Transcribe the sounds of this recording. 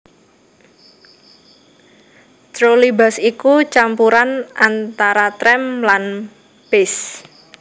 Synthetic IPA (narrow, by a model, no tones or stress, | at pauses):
t̪ɾolibasikut͡ʃampuɾanʔant̪aɾat̪ɾɛmlan | b̥ɪs